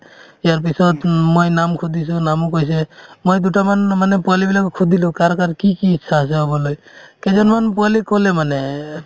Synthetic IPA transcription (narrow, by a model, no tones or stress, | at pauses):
jaɾp̬isɔt̪mojnamkʰud̪ʱis̬ũnamukɔjs̬emojd̪uʈamanmanepɔlibilakukʰud̪ʱilũkaɾɔkaɾkikiːtːʃʰaas̬eɔbɔlɔj | ked͡ʒɔnmanpɔlikɔlemane